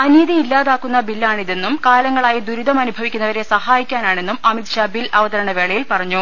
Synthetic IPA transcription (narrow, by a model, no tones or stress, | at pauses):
ɐniːðiilːaːðaːkːunːɐbilːaːɳiðe̞nːumkaːlɐŋːɐɭaːjid̪uɾud̪ɐmɐnubʱɐʋikʲːunːɐʋɐɾe̞sɐhaːjikʲːaːnaːɳe̞nːumɐmit̪ɕaːbilɐʋɐðɐɾɐɳɐʋe̞ːɭɐjilpɐrɐɲːu